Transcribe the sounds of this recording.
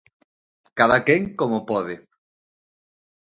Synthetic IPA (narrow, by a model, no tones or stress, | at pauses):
kaðakeŋkomopɔðɪ